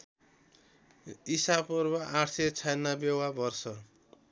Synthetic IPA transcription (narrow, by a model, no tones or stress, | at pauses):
isabpurbʌʔaʈʰset͡sʰajnːabjewabʌrsʌ